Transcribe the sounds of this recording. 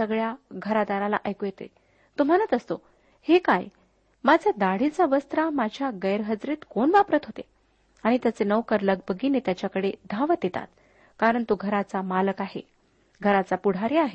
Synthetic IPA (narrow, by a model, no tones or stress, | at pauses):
səɡɭjaɡʱəɾad̪aɾala̰ʔajkojet̪ḛ | t̪um̤anət̪əst̪o | hekaj | mad͡ʑʱjad̪aɽ̤it͡saʋəst̪ɾamad͡ʑʱjaɡəjɾɦəd͡zɾiːt̪koɳʋapɾət̪ɦot̪e | aɽ̃it̪jat͡senəʋkəɾləɡ̚bəɡinet̪jat͡ɕjakəɽed̪ʱãʋət̪jet̪a̰t̪ | kaɾəɳt̪oɡʱəɾat͡samaləkaɦḛ | ɡʱəɾat͡sapuɽ̤ʱaɾiaɦe